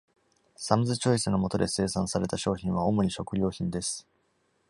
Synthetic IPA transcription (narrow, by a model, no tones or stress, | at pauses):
samɯ̟zɨt͡ɕo̞isɨno̞mo̞t̪o̞d̪e̞se̞ːsãsaɾe̞t̪aɕo̞ːçĩɰ̃βao̞mo̞ɲ̟iɕo̞kɯ̟ɾʲo̞ːçĩnd̪e̞sɨ̥